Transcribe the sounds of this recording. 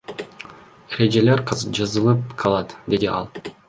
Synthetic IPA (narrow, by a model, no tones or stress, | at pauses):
eɾe̞d͡ʒe̞leɾqʰzd͡ʒɑzɯlˠɯp̚qʰɑlˠɑt̪d̪e̞d̪iɑ̰lˠ